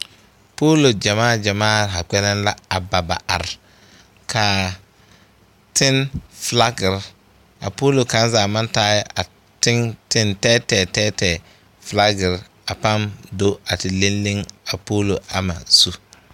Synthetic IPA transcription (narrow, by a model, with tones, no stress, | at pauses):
poː˦lo˨d͡ʒa˨maː˦˨d͡ʒa˨maː˦˨ɾɦa˨k͡pɛ˦nɛ˦nla˦a˨ba˨ba̰˨ʔa̰˨ɾ | kʰaː˨ | tɪ˦nfla˦ɡɪ˨ɾ | a̰˨poː˦lo˨ka˦n˦zaː˨ma˦n˦taː˦jɪ˦ʔa˨ | tɪ˦ŋtɪ˦ntɛː˦tɛː˨tɛː˦tɛː˨ | fla˦ɡɪ˨ɾ | a˨pa˦mdo˦a˨tɪ˨le˦nlɪ˦ŋa˨poː˦lo˨a˨ma̰˨su˦